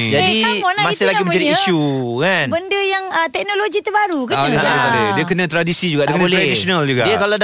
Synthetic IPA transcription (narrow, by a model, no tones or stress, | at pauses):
d͡ʒadiɔnamasɪlaɡimə̃ɲd͡ʒadiːʃukanbəndəjaŋət̪ɛk̚noloɡit̪əbaɾukədediəkənãt̪ɾadisid͡ʒuɡaʔdəŋãlɾadisonald͡ʒuɡaiakalad